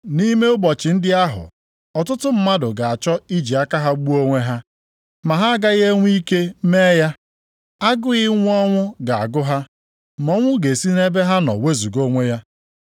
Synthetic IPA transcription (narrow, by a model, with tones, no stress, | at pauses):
ni˦me˦ʊ˦bɔ˨t͡ʃɪ˨n̩˦dɪ˦a˦ɦʊ̰˨ | ɔ˨tʊ˦tʊ˦m̩˦ma˦dʊ˨ɡa˨a˨t͡ʃɔ˦i˦d͡ʒi˨a˦ka˦ɦa˦ɡ͡bu˦o˦ŋʷe˦ɦa˦ | ma˨ɦa˦a˦ɡa˦ɣe˦ŋʷ˦i˦ke˦me˦ja˦ | a˦ɡʊ˦ɣɪ˦ŋʷ˦ɔ˦ŋʷʊ˦ɡa˨a̰˨ɡʊ˦ɦa˦ | m˨ɔ˦ŋʷʊ˦ɡe˨si˦ne˦be˦ɦa˦nɔ̰˨we˦zu˨ɡo˦ŋʷe˦ja˦